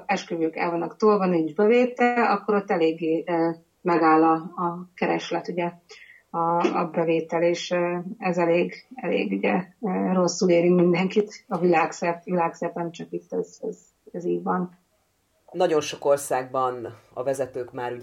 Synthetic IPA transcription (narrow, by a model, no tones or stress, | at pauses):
ɛʃkøvøːkɛ̰lvɒnːɒkt̪oːlvɒnind͡ʒbɛveːt̪ɛlɒkːo̞ɾo̞t̪ːɛleːɡːeː | mɛɡaːlːɒːkɛɾɛʃlɛt̪uɟɛ | ɒɒbɛveːt̪ɛleːʃɛzɛleːɡɛlḛːɡuɟɛøro̞sːuleːɾimind̪ɛŋkit̪ɒvilaːksɛp̪ʋilaːksɛp̪ɛnt͡ʃɒkit̪ːɛzɛz | ɛziːɟʋɒn | nɒɟo̞nʃo̞ko̞rsaːɡ̚bɒnɒ̰vɛzɛt̪øːkmaːɾu